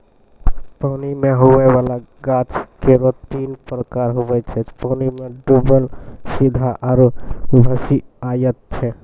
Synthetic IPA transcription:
pəːnimẽɦoʋeʋalaɡat͡ʃkeɾot̪iːnpɾəkaɾɦoʋɛt͡ʃʰɛpɔːnimẽɖubəlsid̪ʱaʔaɾobʱəsiajət̪̚t͡ʃʰɛ

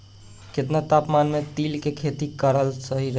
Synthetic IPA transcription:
ket̪nat̪apmanmet̪ilkekʰet̪ikəɾəlsəɦiɾə

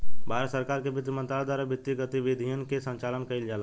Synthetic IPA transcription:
bʱaɾsəɾkaːɾkebɪt̪ɾəmə̃nt̪ɾaad̪waɾabɪt̪ːiɡət̪ibid̪ʱijənkesə̃ɲt͡ʃalənkəɪld͡ʒaːl

